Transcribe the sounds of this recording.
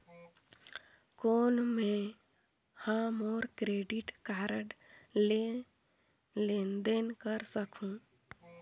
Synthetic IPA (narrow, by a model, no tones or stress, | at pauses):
koːnmẽ | hãmoːɾkɾeɖiʈkaːɾəɖ | lend̪enkəɾsəkũ